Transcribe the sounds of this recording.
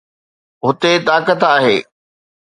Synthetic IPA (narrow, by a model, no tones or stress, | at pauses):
ɦʊt̪et̪aːkət̪aːɦeː